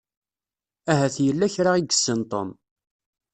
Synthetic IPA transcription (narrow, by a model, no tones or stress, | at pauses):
æɦæθjəlːæçɾaiɡə̥sːənt̪ˤo̰m